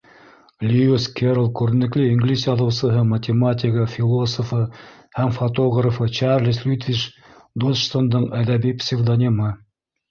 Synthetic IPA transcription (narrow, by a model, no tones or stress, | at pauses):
lʲiuskʲeɾlˠkʉɾɘ̆nɘ̆klɘiŋɡlisjɑðɤ̆wsɤ̆ɦɤmɐtʲɪmat̪ʲɪkəfʲɪlˠosofɤ | hæmfot̪oɣrɐfɤt͡ʃɑrlʲislʲut̪vʲiʃ | d̪olʃt̪ond̪ɤɴæðæbipsʲɪvd̪onʲimɤ